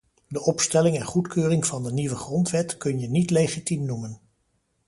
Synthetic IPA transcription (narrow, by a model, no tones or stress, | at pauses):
dəʔɔpstɛlɪŋɛnχutkøːrɪŋvɑndəniʋəχrɔntʋɛtkɵnjənitlejχitimnumən